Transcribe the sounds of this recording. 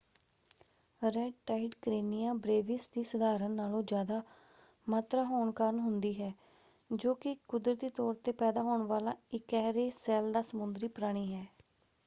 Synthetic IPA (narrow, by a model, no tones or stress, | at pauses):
ɾɛɖʈaːɪɖkɾeːnijãːbɾeːʋɪsd̪iːsəd̪aːɾənːaːlõːd͡ʒjaːd̪aː | maːt̪ɾaːɦoːɳkəɾənɦʊnd̪iːɦɛː | d͡ʒoːkɪkʊd̪ɾət̪iːt̪ɔːɾt̪eːpɛːd̪aːɦoːɳʋaːlaːɪkɛːɦɾeːsɛːld̪aːsəmʊnd̪ɾiːpɾaːɽ̃iːɦɛː